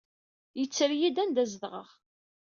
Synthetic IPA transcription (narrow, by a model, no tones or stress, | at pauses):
jət͡sːɾjid̪ænd̪æzðʁə̰ʁ